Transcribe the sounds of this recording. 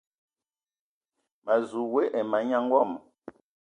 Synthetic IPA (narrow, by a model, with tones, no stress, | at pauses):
ma˨zu˨we˦ʔɛ˨ma˨ɲa˦ŋ˦wɔ˦˨m